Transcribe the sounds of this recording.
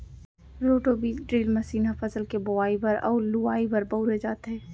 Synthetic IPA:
ɾoːʈobiːɖɾiːlmɐsiːnafɐsəlkebʊaːibɐɾɔ̰ːɾlʊaːibɐɾbɐuɾed͡ʒaːt̪ɦɛː

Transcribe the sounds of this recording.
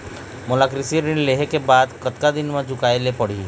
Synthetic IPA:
mʊlaːkɾɪsiɾɪnleɦekebaːd̪kɐt̪kad̪ɪnmãd͡ʒʱʊkaːelepɐɽ̤i

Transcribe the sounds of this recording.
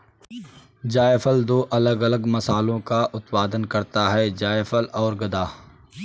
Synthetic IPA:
d͡ʒaːjfəld̪oːʔɐləɡɐləɡmɐsaːlõkaʔʊt̪paːd̪ənkɐɾt̪aɦɛd͡ʒaːjfʰəlɔːɾɡɐd̪aː

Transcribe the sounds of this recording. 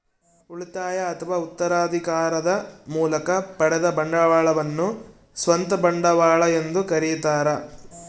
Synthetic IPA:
uɭit̪aːjɐːt̪ʰɐʋaːut̪ːɐɾaːd̪ʱikaːɾɐd̪ɐmuːlɐkɐpɐɽɛd̪ɐbɐɳɖɐʋaːɭɐʋɐnːu | sʋɐnt̪ɐbɐɳɖɐʋaːɭɐend̪ukɐɾijt̪aːɾɐ

